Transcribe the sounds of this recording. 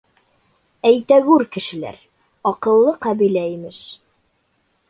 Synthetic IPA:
æjt̪æwʉɾkɘ̆ʃɘ̆læ̰ɾ | ɒqɤ̆lˠːɤqæbilæimɘʃ

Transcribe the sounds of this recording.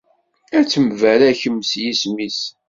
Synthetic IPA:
æt͡sːəmvælæçəmːsjismis

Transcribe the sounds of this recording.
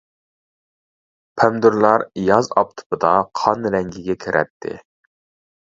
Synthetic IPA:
pʰɛmd̪uɾlˠɑɾjɑzɑ̰p̚t̪ʰu̥pɨd̪ɑqʰɑnɾɛŋɡʲɪɡʲɛkʲʰeɾʔɛ̰t̪ʰːɪ̰

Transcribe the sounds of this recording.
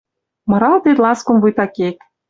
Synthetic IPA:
mɤ̆ɾɑld̪et̪lɑskŏmvujt̪ɑkek

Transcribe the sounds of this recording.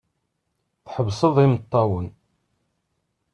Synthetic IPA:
θħəvsˤəðˤimət̪ˤːɑwən

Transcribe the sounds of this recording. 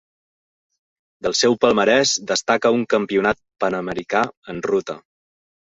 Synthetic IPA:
d̪əlˠsɛwpəlˠməɾɛzd̪əst̪akəuŋkəmpiunat̪̚pənəməɾikaənrut̪ə̰

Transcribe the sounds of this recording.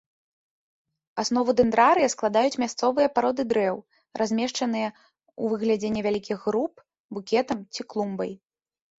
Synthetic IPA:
asnɔvud̪ɛnd̪ɾaɾɨjɐsklˠad̪ajut͡sʲmʲast̪sɔvɨjɐpaɾɔd̪ɨd̪ɾɛw | rʔazʲmʲɛʂt͡ʂɐn̪ɨjɐ | uvɨɣlʲɛd͡zʲɛnʲːɛvʲalʲikʲiɣːɾup̚ | bukʲɛt̪ɐmt͡sʲiklˠumbɐj

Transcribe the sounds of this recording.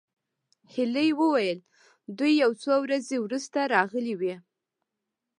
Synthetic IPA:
hɪləjwəwajəl | d̪ujːawt͡sowɾazewɾust̪aɾɑɣəliwi

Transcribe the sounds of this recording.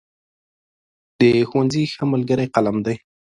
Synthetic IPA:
d̪̥əxowanzixəməlɡəɾajqalamd̪aj

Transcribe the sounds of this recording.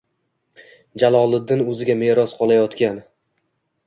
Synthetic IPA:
d͡ʒalˠɒlˠɪd̪ːɪnɵzɪɡʲame̞ɾɒsqʰɒlˠajɒt̪kʲan

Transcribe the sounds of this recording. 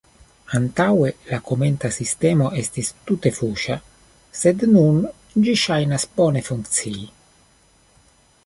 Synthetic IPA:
ant̪awelakʰoment̪asist̪ɛːmoʔɛst̪ist̪ut̪efuːʃa | sed̪nun | d͡ʒiʃajnaspɔːnefuŋt̪siː

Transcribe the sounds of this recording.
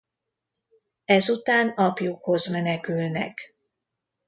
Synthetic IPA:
ɛzut̪aːnɒpjukho̞zmɛnɛkylnɛ̰k

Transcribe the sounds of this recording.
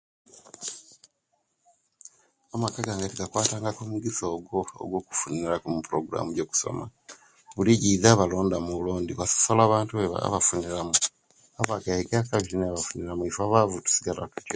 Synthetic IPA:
amakaɡaːŋɡatiɡakwaːtaːŋɡakomuɡisoːɡo̞̰ːɡwo̞ːku̥funiɾakumupuɾoɡuɾa̰muɟo̞ːku̥so̰ma̰ | βuliɟiːzaːβalo̞ːndamuluːndiβaso̥solaːβaːntueβa̰βafuniɾamu | aβakahikakaβiineaβafuniɾamuifaβavutu̥si̥ɡala̰kuco

